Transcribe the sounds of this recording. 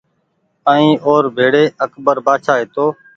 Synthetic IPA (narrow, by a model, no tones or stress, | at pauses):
ə̃ĩːʔoːɾbʱeːɽeːəkbəɾbaːt͡ʃʰaːɦeːt̪oː